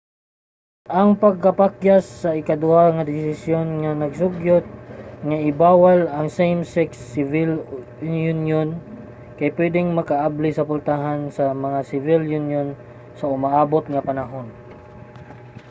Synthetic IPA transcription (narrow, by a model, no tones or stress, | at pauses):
ʔɐŋpɐɡ̚kɐpakjasːɐɪkad̪ʊaŋɐd̪ɪsɪsjonŋanɐɡsʊɡjot̪̚ŋaʔɪbaːwalɐŋsejmsɪksːɪvɪl | junjon | kajpwɛd̪ɪŋmɐkaʔablɪsɐpʊlt̪aɦansɐmɐŋasɪvɪljunjon | sɐʊmaʔaːbot̪̚ŋɐpɐnaɦon